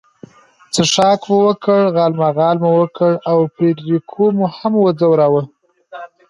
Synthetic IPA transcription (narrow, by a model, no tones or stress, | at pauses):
t͡səʂɑkməwəkəɽɣɑlmaɣɑlməwəkʰəɽawpɾeɖɾikʰomuhamwəd͡zawɾawə